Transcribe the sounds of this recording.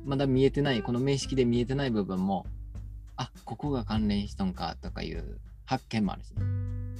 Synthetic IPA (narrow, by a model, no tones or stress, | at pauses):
mad̪amʲie̞t̪e̞naiko̞no̞me̞ːɕi̥kʲid̪e̞mʲie̞t̪e̞naibɯ̟bɯ̟̃mːo̞ | ako̞ko̞ɡakãnɾẽ̞ɰ̃ɕi̥t̪aŋka̰t̪o̞ka̰jɯ̟̰ː | hakːẽ̞mːoa̰ɾɯ̟ɕi̥ne